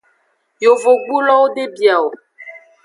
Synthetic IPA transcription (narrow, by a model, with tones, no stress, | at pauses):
jo˨vo˨ɡ͡bu˦lɔ˦wo˦ɖe˦bi˨a˨wo˨